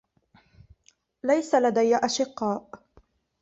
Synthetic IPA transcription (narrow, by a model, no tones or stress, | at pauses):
lajsalad̪ajːaʔaʃɪqːɑːʔ